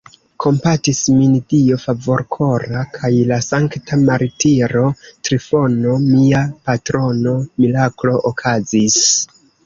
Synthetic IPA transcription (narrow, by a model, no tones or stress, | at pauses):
kʰo̞mpatismindiofavo̞ɾkʰo̞ɾakʰajlasaŋktʰamaɾitiɾo̞tɾifo̞no̞miapatɾo̞no̞milaklo̞ʔokʰazis